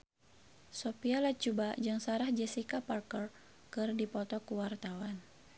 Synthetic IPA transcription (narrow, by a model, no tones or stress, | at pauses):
sɔpialat͡ʃubad͡ʒɨŋsaɾahd͡ʒɛsikaparkər | kɨrdipɔt̪ɔkuwart̪awan